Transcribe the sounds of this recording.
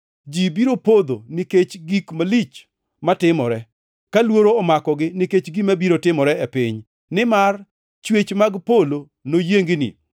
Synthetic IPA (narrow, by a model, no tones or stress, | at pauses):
d͡ʒibiɾopod̪oniket͡ʃɡikmalit͡ʃ | matɪmɔɾɛ | kalwoɾoːmakɔɡɪniket͡ʃɡimabiɾotɪmɔɾɛɛpɪɲ | nɪmar | t͡ʃwet͡ʃmaɡpolo | nojeŋɡɪnɪ̰